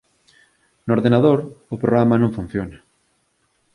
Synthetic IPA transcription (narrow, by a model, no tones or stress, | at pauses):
noɾðenaðoɾʊpɾoɣɾamɐnõŋfun̟θjonɐ